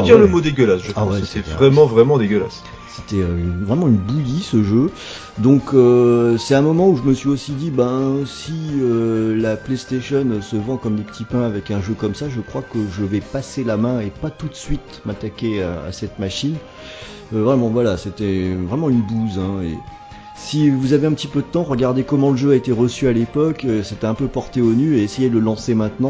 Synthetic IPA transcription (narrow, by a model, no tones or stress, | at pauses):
d̪iʁləmod̪eɡʲəlasʒəawɛsɛvʁɛmɑ̃vʁɛmɑ̃d̪eɡʲəla̰s | se̥t̪ɛøynvʁɛmɑ̃ynbuj̪isəʒø | d̪ɔ̃køsɛt̪ɛ̃mɔmɑ̃uʒəməsɥiosid̪ibãsiølaplest̪eʃɔnøsəvɑ̃kɔmləpət̪ʰipɛ̃avɛkɛ̃ʒøkɔmsaʒəkχwakəʒəvɛpaselamɛ̃epat̪ut̪sɥit̪mat̪akʲea̰a̰sɛt̪maʃin | øvʁɛmɑ̃vwalaset̪ɛvʁɛmɑ̃ynbuzɛ̃ḛ | sivuzaveɛ̃pət̪ipød̪ət̪ɑ̃ʁəɡaʁd̪ekɔmɑ̃ləʒøaet̪eʁəsyalepɔkøset̪ɛɛ̃pøpɔʁt̪eonyeːsejed̪ələlɑ̃semɛ̃t̪nɑ̃